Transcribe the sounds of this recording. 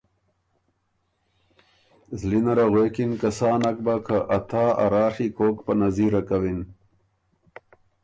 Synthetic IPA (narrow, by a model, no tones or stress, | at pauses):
zlinɐɾaɣweːkinkɐsaːnak̚bakʰaʔɐt̪ʰaːa̰ɾaːʂikoːkpɐnɐziɾakawin